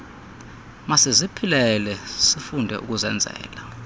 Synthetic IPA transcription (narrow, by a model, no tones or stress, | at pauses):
masizipʰilɛlɛsifundʱɛ̰ʔuk̬uzɛnd͡zʱɛ̰ːla